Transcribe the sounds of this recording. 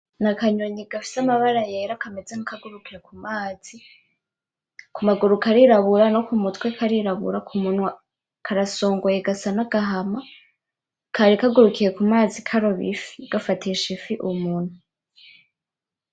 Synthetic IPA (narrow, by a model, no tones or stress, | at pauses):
nakaɲoɲiɡafi̥samaβaɾajeɾakamezeŋikaɡuɾukiɾekumaːz̥i | kumaɡuɾukaɾiɾaβuɾano̞kumutwekʰaɾiɾaβṵɾakʰumunwa | kʰaɾasoːŋɡojeɡasanaɡaɦama | kʰaɾikaɡuɾukiɾe̞kumaːzikʰaɾo̞βḭfiɡ̥afatiʃifiʔumuːn̥hu